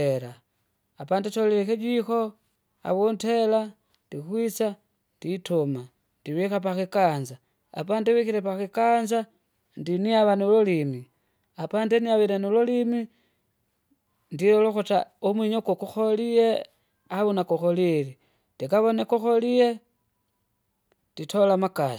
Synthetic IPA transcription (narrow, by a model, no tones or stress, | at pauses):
eɾaː | paːndetolelexeɟixo̞ | a̰βontela | ndixwit͡sa | nditoma | ndiβixapaxikaːnza̰ː | paːndiβixiɾepaxikanza | ndiniaβanulolimi | apandeniaβeɾanololimi | ndiɾoloxutaomwiɲokokuxolije | aβunakoxolili | ndikaβonekuxolije̞ | nditʰolamakasi̥